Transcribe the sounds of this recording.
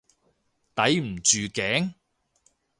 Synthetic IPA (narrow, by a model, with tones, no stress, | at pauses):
t̪ɐ˨˥jm̩˨˩t͡ʃyː˨kɛː˨˥ŋ